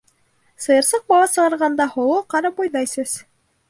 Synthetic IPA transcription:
sɤ̆jɤ̆ɾsɤq̚bɑlˠɑsɤ̆ʁɑɾʁɑnd̪ɑhŏlˠoqɑɾɑpojnɑjsɵz̥

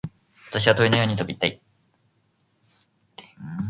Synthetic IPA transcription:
βat̪aɕ̬iβat̪oinojo̞ːɲ̟it̪o̞bit̪ːai

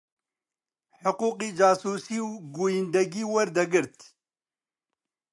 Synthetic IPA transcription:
ħʊquːqiːd͡ʒaːsuːsiːwɡuːjind̪ɐɡiːwɐɾd̪ɐɡɨɾt̪

